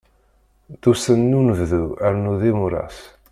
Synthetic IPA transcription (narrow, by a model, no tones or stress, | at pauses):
ðusənːunəvðuæɾnuðimuɾa̰s